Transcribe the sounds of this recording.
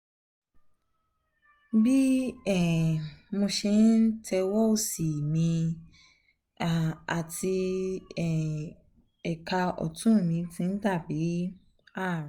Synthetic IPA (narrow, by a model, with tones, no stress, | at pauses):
bi˦ɛ˦˨mõ˧ʃe˧˦nn̩˦tʰɛ˧wɔ˦o˦˨si˨mĩ˧˨ | a˨ti˧ɛ˨ | ɛ˨ka˧ɔ̰˨tʰũ˦˨mĩ˧tĩ˧n̩˦ta˦˨bi˨˦ | a˦˨